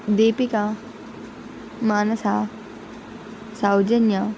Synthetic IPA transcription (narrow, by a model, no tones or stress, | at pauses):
d̪eːpika | maːnɐsaː | sawd͡ʒɐnja